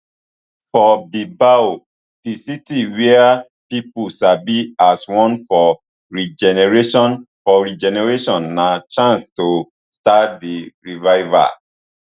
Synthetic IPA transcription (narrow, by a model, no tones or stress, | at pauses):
fɔbibao | d̥isitiwɛa | pipuʃabiaswɔ̃nfɔ | ɹid͡ʒɛnɛɹeʃɔ̃nfɔɹid͡ʒɛnɛɹeʃɔ̃nːãt͡ʃãnsto | stadiɹivaɪva̰